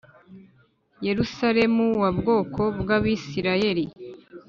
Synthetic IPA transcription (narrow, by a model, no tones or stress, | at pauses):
je̞ɾusaɾe̞muwabɡo̞ːkʰo̞bɡaβisiɾaje̞ɾi